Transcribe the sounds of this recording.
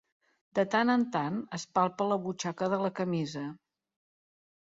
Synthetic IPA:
d̪ət̪anənt̪anəspalˠpələβut͡ʃakəðələkəmizə

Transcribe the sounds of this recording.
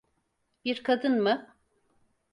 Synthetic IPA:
biɾkʰad̪ɯnmɯ

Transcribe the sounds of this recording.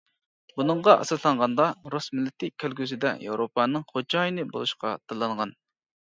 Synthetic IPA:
bunɨɴʁɑʔɑ̰sɨɾslˠɑɴʁɑnd̪ɑɾusmɪlːɪt̪ʰːɪkʲʰølɡʲysɪd̪ɛ̰jḛwɾopɑnɨŋχod͡ʒɑːjinɨbo̰lˠuʃqʰɑt̪ʰɨlˠːɑɴʁɑn

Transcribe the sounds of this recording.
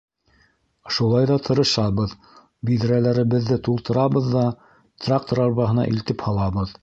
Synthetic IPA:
ʃulˠɑjðɑt̪ʰɤ̆ɾɤ̆ʃɑβɤð | biðɾælæɾɘ̆βɘ̆ðːɘt̪ulˠt̪ɤ̆ɾɑβɤðːɑ | t̪rak̚t̪oɾɑɾβɑɦɤ̆nɑ̰ʔilt̪ɘphɑlˠɑβɤð

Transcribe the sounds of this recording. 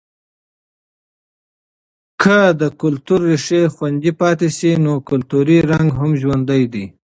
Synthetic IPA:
kʰəd̪əkʊlt̪uɾːiʂexwand̪ipɑt̪esinokʊlt̪uɾiɾaŋɡɦamʒwand̪əjd̪i

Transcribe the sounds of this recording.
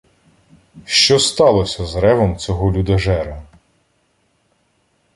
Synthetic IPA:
ʃt͡ʃɔst̪ɑlˠɔsʲɐzɾɛʋɔmt͡sʲɔɦɔlʲud̪ɐʒɛɾɐ

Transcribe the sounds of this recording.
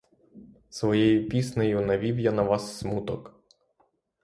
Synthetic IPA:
sʋɔjejʊpʲisnejʊnɐʋʲiwjanɐʋɑsːmut̪ɔk

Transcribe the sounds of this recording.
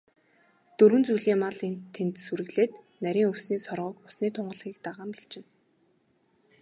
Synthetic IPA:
t̪ɵɾwɘ̆nt͡sujɮiːŋmaɮent̪ʰːent̪suɾɘ̆ɣɮeːt̪ | næɾʲiːŋɵwsniːsɔrʁɞ̆ːkʊsniːt̪ʰʊɴɢə̆ɮʁiːk̚t̪aʁaːmpeɬt͡ɕɪ̆n

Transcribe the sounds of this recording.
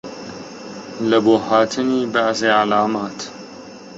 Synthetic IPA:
lɐbohat̪ʰɨnibaʕzeʕalaːmaːt̪

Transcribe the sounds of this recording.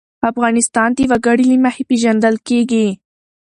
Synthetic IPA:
afɣɑnɪst̪ɑnt̪iwaɡaɽilimahepeʒand̪əlkeɡi

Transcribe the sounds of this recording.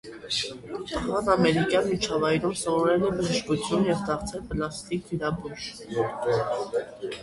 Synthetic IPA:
ɑʁɑnɑmɛɾikjɑnmit͡ʃʰɑvɑjɾumsɔvɔɾɛlɛbəʒəʃkut͡sʰjunjɛvd̪ɑɾt͡sʰɛlpəlɑst̪ikiɾɑbuʒ

